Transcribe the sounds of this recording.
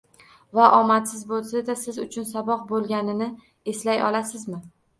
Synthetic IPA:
vaʔɒmat̪sɪzbolˠsad̪asɪzʊt͡ʃʰʊnsabɒq̚bolˠɡʲanɪnɪ | e̞slajɒ̰lasɪzmɪ

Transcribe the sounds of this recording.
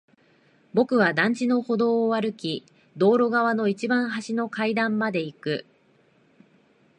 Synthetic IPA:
bo̞kɯ̟βad̪ãɲ̟d͡ʑino̞ho̞d̪o̞ːβaɾɯ̟kʲi | d̪o̞ːɾo̞ɡaβ̞ano̞it͡ɕibãɰ̃haɕino̞kaid̪ãmːad̪e̞ikɯ̟

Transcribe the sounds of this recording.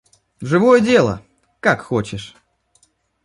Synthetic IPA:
ʐɨvo̞jədʲe̞lˠə̰ | kakxot͡ɕɪʂ

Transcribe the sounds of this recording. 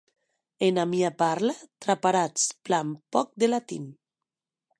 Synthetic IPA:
enamiapaɾlat̪ɾapaɾat͡splampɔk̚d̪elat̪ḭn

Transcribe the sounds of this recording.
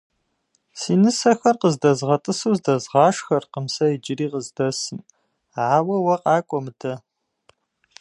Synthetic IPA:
siːnɨsɐxɐrqəzdɐzʁɐtʼɨsuːzdɐzʁɑːʂxɐrqəmsɐɪd͡ʒɪriːqəzdɐsɨm | ʕaːwɐwɐqɑːkʷʼɔmɨdʰɐ

